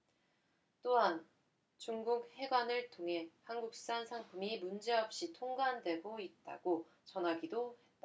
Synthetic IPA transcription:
t͈oɦan | t͡ɕuŋɡuk̚he̞ɡwanɯɭtʰoŋɦe̞hanɡuk̚s͈ansʰaŋpʰumimund͡ʑe̞ʌp̚ɕ͈itʰoŋɡandwe̞ɡoit̚t͈a̰ɡ̥o | t͡ɕʌnɦaɡidohe̞t̚t͈a

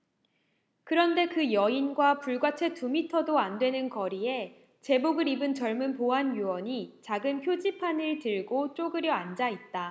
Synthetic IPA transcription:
kɯɾʌnde̞kɯjʌinɡwapuɭɡwat͡ɕʰe̞tumitʰʌdoandwe̞nɯnkʌɾie̞ | t͡ɕe̞boɡɯɾibɯnt͡ɕʌɭmunpoɦanjuwʌɲit͡ɕaɡɯnçjod͡ʑipʰanɯɭtɯɭɡot͡ɕ͈oɡɯɾjʌand͡ʑait̚t͈a

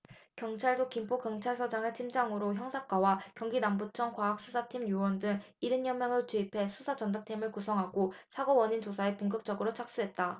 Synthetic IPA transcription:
kjʌŋt͡ɕʰaɭdokimpʰokjʌŋt͡ɕʰaɭsʰʌd͡ʑaŋɯtʰimd͡ʑaŋɯɾoçjʌŋsʰak͈wawakjʌŋɡinambut͡ɕʰʌŋkwaɦak̚s͈ʰusʰatʰimjuwʌndɯŋ | iɾɯnjʌmjʌŋɯɭot͡ɕuipʰe̞sʰusʰad͡ʑʌndatʰimɯɭkusʰʌŋɦaɡosʰaɡowʌɲind͡ʑosʰaepuŋɡɯk̚t͡ɕ͈ʌɡɯɾot͡ɕʰak̚s͈uɦe̞t̚t͈a

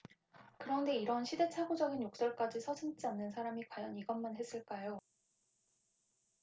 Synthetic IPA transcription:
kɯɾʌnde̞iɾʌnɕʰide̞t͡ɕʰaɡod͡ʑʌɡinjok̚s͈ʌɭk͈ad͡ʑisʰʌd͡ʑʰɯŋt͡ɕ͈ianːɯnsʰaɾamikwajʌniɡʌnmanɦes͈ɯɭk͈ajo

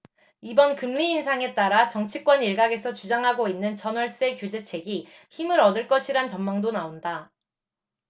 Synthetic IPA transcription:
ibʌnkɯmːiːnsʰaŋe̞t͈aɾat͡ɕʌŋt͡ɕʰik͈wʌniɭɡaɡe̞sʰʌt͡ɕud͡ʑaŋɦaɡoinːɯnt͡ɕʌnwʌɭs͈ekjud͡ʑe̞t͡ɕʰe̞ɡi | çimɯɾʌdɯɭk͈ʌɕʰiɾant͡ɕʌmmaŋdonaonda

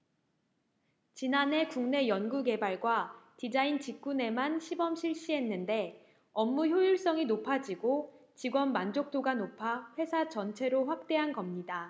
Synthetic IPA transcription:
t͡ɕinanɦe̞kuŋne̞jʌnɡuɡe̞baɭɡwatid͡ʑaint͡ɕik̚k͈une̞manɕʰibʌmɕʰiɭɕ͈iɦe̞nːɯnde̞ | ʌmːuçjojuɭs͈ʌŋinopʰad͡ʑiɡo | t͡ɕiɡwʌnmand͡ʑok̚t͈oɡanopʰaɸwe̞sʰat͡ɕʌnt͡ɕʰe̞ɾoɸwak̚t͈e̞ɦanɡʌmɲida

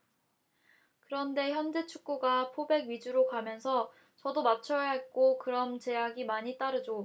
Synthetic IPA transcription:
kɯɾʌnde̞çjʌnd͡ʑe̞t͡ɕʰuk̚k͈uɡapʰobe̞ɡɥid͡ʑuɾokamjʌnsʰʌ | t͡ɕʌdomat͡ɕʰʌɦak͈okɯɾʌmt͡ɕe̞jaɡimaɲit͈aɾɯd͡ʑo

